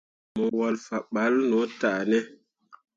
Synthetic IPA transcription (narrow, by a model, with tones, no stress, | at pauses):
mo˨wa˨lfa˨ɓa˨˦lno˨˦ta˨nɛ˦